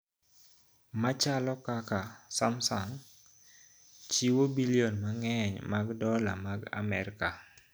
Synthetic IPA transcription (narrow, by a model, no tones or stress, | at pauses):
mat͡ʃalɔkakasamsaŋ | t͡ʃiwobilionmaŋɛɲmaɡdɔlamaɡa̰mɛɾka